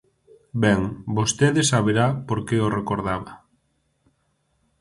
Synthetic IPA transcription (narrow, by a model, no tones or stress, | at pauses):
bɛŋbost̪eðɪsaβeɾapoɾkeorekoɾðaβɐ